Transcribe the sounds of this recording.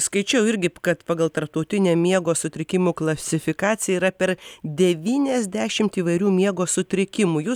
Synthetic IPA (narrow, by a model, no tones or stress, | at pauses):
skɐɪt͡ʃʲɛʊɪɾʲɡʲɪkɐt̪pɑːɡɐlˠt̪ɐɾp̚t̪ɐʊt̪ʲɪnʲeːmʲiɛɡoːsʊt̪ʲɾʲɪkʲɪmuːklˠɐsʲɪfʲɪkɑːt̪sʲɪjɛiːɾɐpʲɛɾd̪ʲɛʋʲiːnʲɛzʲd̪ʲæːʃʲɪmt̪iːʋɐɪɾʲuːmʲiɛɡoːsʊt̪ʲɾʲɪkʲɪmuːjuː